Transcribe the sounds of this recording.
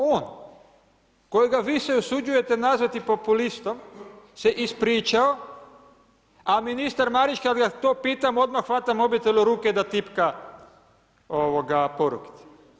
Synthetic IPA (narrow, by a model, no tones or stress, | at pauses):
oːn | ko̞jiɡaʋiːseusud͡ʒuje̞t̪enazʋat̪ipo̞pulist̪o̞mseʔispɾiːt͡ʃao | aminist̪aɾmaɾit͡ʃkad̪ɡat̪opiːt̪amo̞d̪maxʋat̪amo̞bjet̪elʲuɾuːked̪at̪ipka | oʋoɡapo̞ɾuki̥t̪e̥